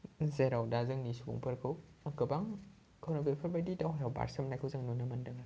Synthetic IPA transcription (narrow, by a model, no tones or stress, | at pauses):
zeɾawdazɯŋnisubṵŋpʰɯɾkʰɯwakɯbaŋ | kʰawnɔbepʰəɾbadidawɦjawba̰ɾsəmnajkʰɯwzaŋnunamandɯŋa